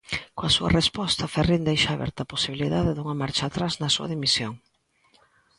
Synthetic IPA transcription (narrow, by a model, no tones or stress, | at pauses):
koɐsuɐ̰respɔst̪ɐferind̪ejʃaːβɛ̰ɾt̪ɐposiβiliðaðɪðuŋɐmaɾt͡ʃaːt̪ɾaznɐsuɐ̰ðimisjoŋ